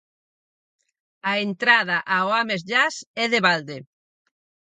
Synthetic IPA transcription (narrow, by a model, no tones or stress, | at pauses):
aent̪ɾað̞ɐʔaoamezʎasɛðeβald̪e